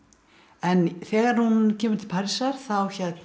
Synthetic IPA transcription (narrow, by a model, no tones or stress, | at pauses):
ɛnθɛːɣaɾ̥huncʰɛːmʏn̥t̪ʰɪ̥l̥pʰaːɾisaɾ̥θawçɛt̪